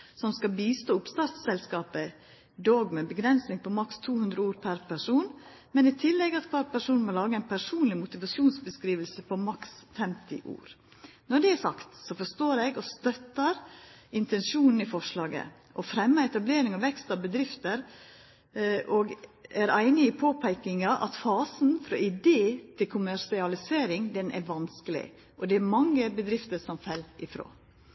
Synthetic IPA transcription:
sɔmskɑbiːst̪oːʊpst̪ɑːɾt̪ssɛlskɑːpə | d̪oːɡmɛbəɡɾɛnsnɪŋpɔmɑkst̪ʰuːhʉnd̪ɾəuːɾpʰæɾpʰæʂuːn | mɛnɪt̪ʰɪlːɛɡɑt̪kʰʋɑɾpʰæʂuːnmɔlɑːɡəæɪnpʰæʂuːnlɪmʊt̪ɪʋɑsjuːnsbəskɾiːʋəlsəpʰɔmɑksfɛmt̪ɪ̰ʔṵːɾ | nɔɖɛæsɑ̰kt̪sɔfɔʂt̪oːɾɛɡɔst̪œt̪ːəɾɪnt̪ɛnʃuːnn̩ɪfɔʂɭɑːɡə̰ | ʔɔfɾɛmːəɛt̪ɑbleːɾɪŋɑʋɛkst̪ɑʋbəd̪ɾɪft̪əɾ | ʔɔɡæɾæɪnɪɪpʰoːpʰæɪkɪŋɑʔɑ̰t̪fɑːsn̩fɾɔ̰ʔɪd̪eːt̪ʰɪlkʰʊmæɾʂɪɑlɪseːɾɪŋd̪ɛnʔæ̰ɾʋɑnskəlɪ̰ | ʔɔd̪ɛæɾmɑŋːəbəd̪ɾɪft̪əɾsɔmfɛlɪfɾo̰ː

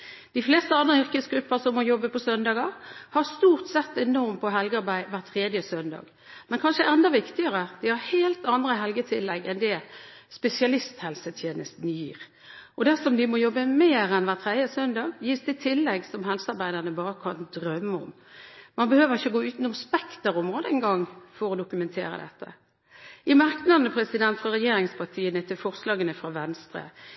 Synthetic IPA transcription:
d̪̥ɪfleːst̪əɑnd̪ɾəʏɾkəsɡɾʉpːəɾsɔmːɔjɔbːəpʰɔsœnd̪ɑːɡɑhɑst̪uːɾt̪sɛt̪ːɛnɔɾmpʰɔɦɛlɡəɑɾbæɪʋæʁt̪ʰʁeːd̪jəsœnd̪ɑ̰ːɡ | mɛnkʰɑnʂəʔɛnd̪ɑʋɪkt̪ɪəɾəd̪̥ɪhɑɾheːlt̪ɑnd̪ɾəɦɛlɡət̪ʰɪlːɛɡɛnd̪ɛspɛsɪɑlɪst̪hɛlsət̪ʰjeːnəst̪n̩jiːʁ | ʔɔd̪æsɔmd̪ɪmɔjɔbːəmeːʁɛnʋæːʁt̪ʰʁæd̪jəsœnd̪ɑːɡjiːsd̪ɛt̪ʰɪlːɛɡsɔmɦɛlsəɑɾbæɪd̪əʁnəbɑːɾəkʰɑnd̪ɾœmːəɔm | mɑnbəhøːʋəʁɪçːəɡoːʉːt̪n̩ɔmspɛkt̪əɾɔmʁoːd̪əɛŋɡɑŋːfɔɾɔd̪ʊkʉmɛnt̪ʰḛːɾə̰d̪ɛ̰t̪ːə̰ | ɪmɑʁknɑnəpʰɾɛsɪd̪ɛnt̪fʁɑʁɛjeːɾɪŋspʰɑt̪ʰiːənət̪ʰɪlfɔʁslɑːɡənəfɾɑʋɛnst̪ɾə̰

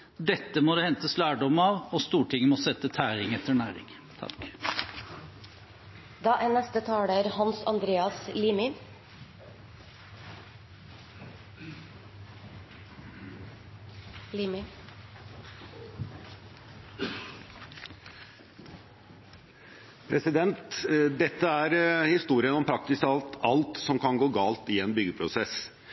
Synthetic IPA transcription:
d̪ɛt̪ːəmɔd̪eːhɛnt̪əslæːɖɔmɑːʋoːst̪uːʈʰɪŋːəmɔsɛt̪ːət̪ʰæːɾɪŋɛt̪əɳæːɾɪ̰ŋ | t̪ʰɑ̰k | d̪ɑːʔæːnɛst̪ət̪ʰɑːɽæːɾhɑnsɑ̰nd̪ɾeːɑsliːmɪ | liːmɪ | pʰɾɛsɪd̪ɛnt̪d̪ɛt̪ːəæːɾhɪst̪uːɾɪənɔmpʰɾɑk̚t̪ɪsɑlt̪ɑlt̪sɔmkʰɑnɡoːɡɑːlt̪iːeːnbʏɡəpʰɾʊsɛs

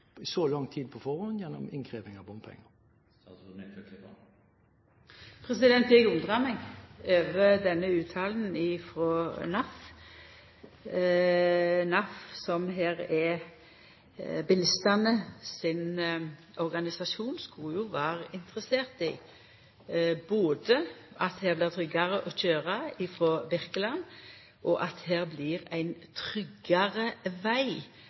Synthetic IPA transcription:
ɪsɔlɑŋt̪ʰiːd̪̚pʰɔfɔʁhɔnjɛnːɔ̰mɪnkʰʁiːʋɪŋɑʋbɔmpʰɛ̰ŋə | pʰʁɛsɪd̪ɛnt̪jɛɡʊnd̪ʁɑmɪŋøːʋəd̪ɛnːəʉːt̪ʰɑːln̩ɪfʁɔnɑf | nɑfsɔmɦeːɾɛ | bəlɪst̪ɑnəsɪn | ɔʁɡɑnɪsɑʃuːnskuːjʊʋæːʁəʔɪnt̪əʁəseːʁt̪ɪ̰ | boːd̪əʔɑt̪heːʁblɪʁt̪ʰʁʏɡɑʁəʔɔçøːʁɑɪfɾɔːbɪʁkəlɑn | ʔɔʔɑt̪heːʁblɪːʁæɪnt̪ʰʁʏɡɑʁəʋæɪ

